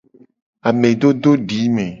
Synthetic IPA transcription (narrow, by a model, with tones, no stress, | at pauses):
a˨mẽ˨ɖo˦ɖo˦ɖi˨˦mẽ˨